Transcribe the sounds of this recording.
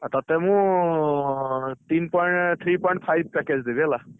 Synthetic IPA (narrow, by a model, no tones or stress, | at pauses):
t̪at̪ɛmũ | t̪inpɔjɳʈt̪ʰɹipɔjɳʈ̚pʰajb̚ʱpɛked͡ʒd̪ibiɛla